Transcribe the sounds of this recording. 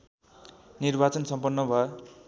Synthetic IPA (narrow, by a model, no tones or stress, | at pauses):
nirbat͡sʌnsʌmpʌnːʌbʱʌ